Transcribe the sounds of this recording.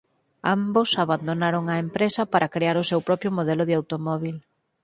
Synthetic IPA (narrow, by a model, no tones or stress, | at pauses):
ambosaβand̪onaɾoŋɐempɾesɐpaɾʔɐkɾeaɾʊsewpɾɔpɾjʊmoðɛlʊðɪawt̪omɔβil